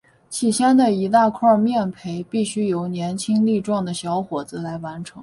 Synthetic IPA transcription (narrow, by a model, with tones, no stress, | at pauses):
t͡ɕʰi˥˩ɕjɛ˥nd̪ə˨i˧˥t̪a˥˧kʰwɔ˥˧mjɛ˥˩npʰe˧˥ɪpi˥˩ɕy˥jo˧˥ʊnjɛ˧˥nt͡ɕʰi˥ŋli˥˧ʈ͡ʂwɑ˥˩ŋd̪ə˩ɕjɑ˧˥ʊxwɔ˨˩d͡zɹ̩˧la˧˥ɪwa˧˥nʈ͡ʂʰɤ˧˥ŋ